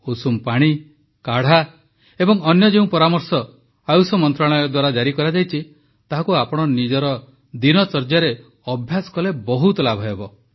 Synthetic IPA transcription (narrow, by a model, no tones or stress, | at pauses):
usumpaɽ̃i | kaɽ̤a | ebɔŋɔnjɔd͡ʒeũpɔɾamɔɾsɔ | ajusɔmɔnt̪ɾaɭ̃ɔjɔd̪waɾad͡ʒaɾikɔɾad͡ʒajt͡ʃʰi | t̪aɦakuapɔɽ̃ɔnid͡ʒɔɾɔ | d̪inɔt͡ʃɔɾd͡ʒaɾe | ɔbʱjasɔ̥kɔlebɔɦut̪ɔlabʱɔebɔ